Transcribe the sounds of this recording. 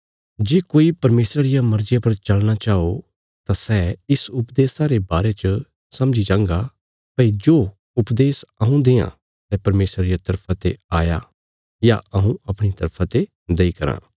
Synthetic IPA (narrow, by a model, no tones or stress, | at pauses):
d͡ʒeːkoːipɐɾmeːsɾaɾɪjamɐɾd͡ʒɪjapɐɾt͡ʃɐɭñat͡ʃaːo | t̪asɛːɪsʊpd̪eːsaːɾebaːɾet͡ʃə | sɐ̃md͡ʒid͡ʒãːŋɡa | pɐid͡ʒoː | ʊpd̪eːsɐɦũd̪eːã̰ | sɛpɐɾmeːsɾaɾɪjat̪ɐɾpʰãt̪eaːja̰ | jaɐɦũɐpɽ̃it̪ɐɾpʰat̪e | d̪eikɐɾã̰ː